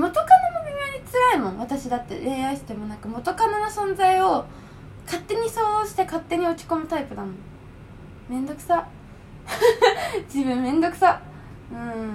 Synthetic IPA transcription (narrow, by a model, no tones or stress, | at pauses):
mo̞t̪o̞kanomobʲɯmʲaɲ̟it͡sɨɾaimõ̞βat̪aɕid̪at̪ːe̞̰ɾe̞ːaisɨ̥d̪emo̞nakɯ̟mo̞t̪o̞kananosõ̞nzaio̞ | kat̪ːe̞ɲ̟isoːɕi̥t̪ekat̪ːe̞ɲ̟io̞kʲi̥ko̞mɯ̟t̪aipɯ̟d̪amõ̞ | mẽ̞nd̪o̞kɯ̟̥sa | d͡ʑibɯ̟̃mːẽ̞nd̪o̞kɯ̟̥sa | ɯ̟̃ɴ